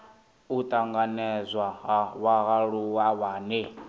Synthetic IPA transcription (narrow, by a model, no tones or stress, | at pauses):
ut̪ʼaŋɡanɛzʷwawaɣaɺuwawaːnɛ